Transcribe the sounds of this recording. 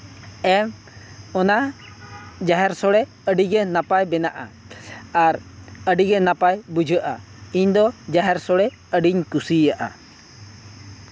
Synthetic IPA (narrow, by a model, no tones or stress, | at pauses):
ɛm | ɔna | d͡ʒaɦɛɾsɔɽɛ | əɖiɡɛnapajbɛnaʔa̰ | aɾəɖiɡɛnapajbud͡ʒʱəʔa̰ | iɲd̪ɔd͡ʒaɦɛɾsɔɽɛ | əɖiɲkusijaʔa̰